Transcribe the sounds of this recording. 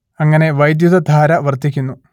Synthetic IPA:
ɐŋːɐne̞ʋɐjd̪juðɐd̪ʱaːɾɐʋɐrt̪ikʲːunːu

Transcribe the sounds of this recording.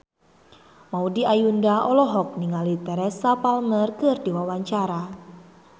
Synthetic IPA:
maudiajundaʔɔlɔɦɔk̚niŋalit̪ɛɾɛsapalmərkɨrd̥iwawaɲt͡ʃaɾa

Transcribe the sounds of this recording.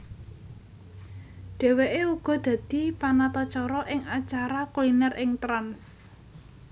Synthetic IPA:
ɖ̪̥ɛ̤weʔeuɡ̥ɔ̤d̪̥ä̤d̪̥i̤panat̪ɔt͡ʃɔɾɔʔɪŋat͡ʃaɾakulinɛrʔɪŋt̪ɾans

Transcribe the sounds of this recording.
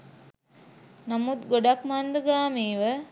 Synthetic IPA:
namut̪ɡoɖakmand̪əɡaːmiːʋə

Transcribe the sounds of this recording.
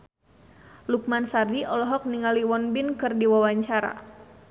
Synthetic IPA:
luk̚mansardiɔlɔɦɔk̚niŋaliwɔnbinkɨrdiwawaɲt͡ʃaɾa̰

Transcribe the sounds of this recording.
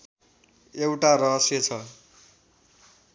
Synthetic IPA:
ewʈaɾʌɦʌsjʌt͡sʰʌ

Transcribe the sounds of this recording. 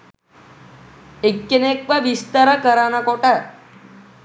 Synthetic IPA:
ekːenek̚ʋaʋist̪aɾəkəɾanakoʈa

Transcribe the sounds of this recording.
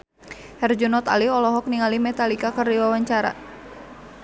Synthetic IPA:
hɛrd͡ʒunɔt̪aliɔlɔɦɔk̚niŋalimɛt̪alikakərdiwawaɲt͡ʃaɾa̰

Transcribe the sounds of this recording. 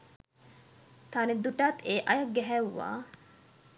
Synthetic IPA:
t̪aned̪uʈaːt̪eːʔɐjɐk̚ɡɛɦæʋːa̰ː

